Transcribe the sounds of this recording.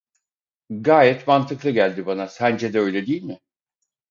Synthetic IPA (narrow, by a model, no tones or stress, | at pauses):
ɡaːjɛt̪mant̪ʰɯklˠɯɟælʲd̪ibanasænd͡ʒed̪ɛøjlʲɛd̪iːlʲmɪ